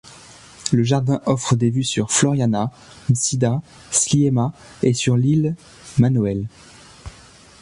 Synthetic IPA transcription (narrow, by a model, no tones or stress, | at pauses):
ləʒaʁd̪ɛ̃ʔɔfχəd̪evysyʁflɔʁjana | msid̪a | sliema | esyʁlil | manoɛl